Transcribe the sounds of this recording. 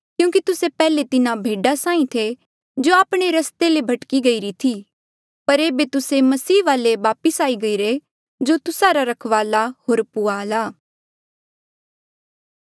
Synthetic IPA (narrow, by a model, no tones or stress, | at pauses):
kjũːk̬it̪ʊsepɛːlet̪ɪnabʱeːɖasãːĩt̪ʰe | d͡ʒoːaːpɽ̃eɾɐst̪elebʱɐʈkiɡɐiɾit̪ʰiː | pɐɾeːbet̪ʊsemɐsiːʋaːleʋaːpəsaːiɡɐiːɾe | d͡ʒot̪ʊsaɾaɾɐkʰʋaːlahoːɾpʊaːlaː